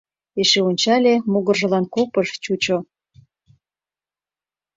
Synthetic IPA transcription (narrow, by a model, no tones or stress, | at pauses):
eʃeunʲt͡ɕɑlʲemuɣə̆rʒə̆lɑnkopəʃt͡ɕut͡ɕo